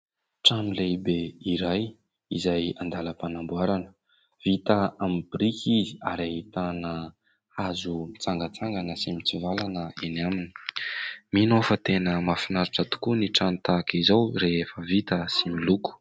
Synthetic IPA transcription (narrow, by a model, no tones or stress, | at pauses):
ʈ͡ʂanilejbeiɾaj | izajand̪aləpanambuaɾanə̥ | v̥it̪əamibiɾikiziaɾeit̪anə | azumit͡saŋɡət͡saŋɡanəsimit͡sivalanəenamini̥ | minofət̪enəmafinaɾiʈ͡ʂət̪u̥kuniʈ͡ʂanit̪akizawɾeefəvit̪əsimiluku̥